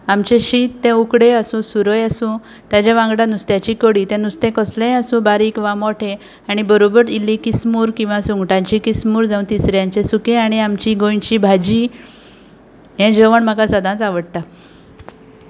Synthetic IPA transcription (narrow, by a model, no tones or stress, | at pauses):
amt͡ɕẽɕiːt̪ːɛ̃ukɽeəsũːsuɾəjasũ | t̪ad͡ʑaʋãŋɡɽãnust̪jat͡ɕiːkəɽiːt̪ɛ̃nust̪ẽkəslẽasũbaɾiːkʋamɔʈʰẽ | aɽ̃ibəɾobəɾilːĩkismuːɾkĩw̃ʋãsuŋɡʈãɲt͡ɕikismuːɾd͡zãũt̪isɾjãɲt͡ɕesukẽaɽ̃iamt͡ɕiɡõjnt͡ɕibʱad͡ʑi | ɦɛ̃d͡ʑəʋəɳm̤akasəd̪ʱãt͡saʋəɽt̪a